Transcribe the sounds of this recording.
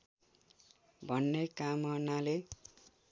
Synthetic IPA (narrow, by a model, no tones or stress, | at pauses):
bʱʌnːekamʌnale